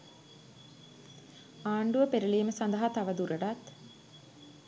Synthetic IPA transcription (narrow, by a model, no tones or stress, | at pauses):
aːɳɖuʋəpeɾəliːməsand̪əɦat̪aʋəd̪uɾəɖat̪